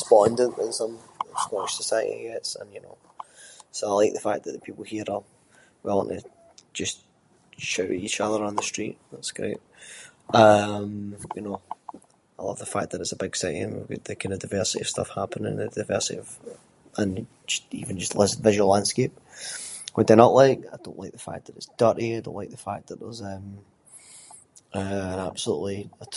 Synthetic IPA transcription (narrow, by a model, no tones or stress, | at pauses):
spɔ̃ndə̃nʔə̃nsʌ̃mɪskɔɪʃsəsaɪə̰ʔḭɡɛtsə̰̃njɨno̰ | soaɪlˠaɪk̚ðəfak̚ðəʔðəpʰipl̩ˠhiɹə | wɛlˠə̰̃nʔə̰̥ | ʒ̥ʌs | ʃaʊʔɪit͡ʃʌðə˞ãnðəstɹ̥ḭʔðatsɡ̥ɹḛʔ | ʌ̃mjɨno | aɪlˠʌ̰vðəfak̚ðəɾɪtsəbɪɡ̥sɛʔɪ̰̃ə̰̃n̰ðəkʰãɪ̃ndədaɪvɜ˞sɪʔɪ̰v̥stʌ̰fhapʰə̃nɪ̰̃ŋədaɪvɜ˞sɪʔɪ̰v̥ | ə̃n | ʌḭvə̃n̩d͡ʒʌstlˠɪzvɪʒəl̩ˠãnd̥skep̚ | wəðənəʔlˠaɪkaɪdõ̰nʔlaɪk̚ðəfa̰k̚ðəɾɪtsd̥ʌʔiaɪdõ̰nʔlaɪk̚ðəfa̰k̚ðəʔðə˞zʌ̃m | ʔʌə̃nab̥səlˠṵʔlˠiə